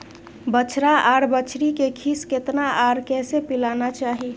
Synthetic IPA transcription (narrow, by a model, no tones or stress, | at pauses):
bət͡ʃʰɾaʔaːɾbət͡ʃʰɾikekʰisket̪naʔaɾkɛːsepilanat͡ʃaːɦi